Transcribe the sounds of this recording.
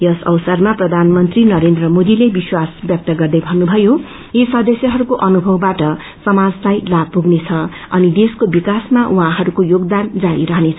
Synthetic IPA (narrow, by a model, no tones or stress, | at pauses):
jʌsʌ̰wsʌrmaprʌd̪ʱanmʌnt̪rinʌɾend̪rʌmod̪ilebiswasbjʌk̚t̪ʌɡʌrd̪ʌjbʱʌnːubʱʌjo | esʌd̪ʌsjʌɦʌɾukoʔʌnubʱʌwbaʈʌ | sʌmad͡zlajlab̚puɡnet͡sʰʌ | ʌ̰nid̪eskobikasmaʔuɦãɦʌɾukojoɡd̪and͡zaɾiɾʌɦnet͡sʰ